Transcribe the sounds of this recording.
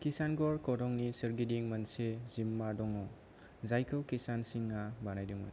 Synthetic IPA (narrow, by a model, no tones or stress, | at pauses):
kisanɡɔɾkɔɾɔŋnisɯɾɡidiŋmɐnsezimːadɔŋɔ | zajkʰɯwkisansiŋːabanajduŋɔ̰n